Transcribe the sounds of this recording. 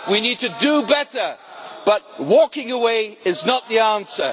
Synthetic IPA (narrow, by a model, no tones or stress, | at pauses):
winid̚tɨdəbɛɾə˞b̥ʌt̚wɔkɪ̃ŋəweɪɪznət̪̚ðiæ̃nsə̰˞